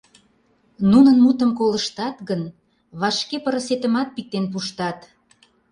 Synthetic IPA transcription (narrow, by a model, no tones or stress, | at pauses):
nunənmut̪əmkoləʃt̪ɑt̪ɣən | βɑʃkepəɾəset̪əmɑt̪̚pik̚t̪enp̬uʃt̪ɑt̪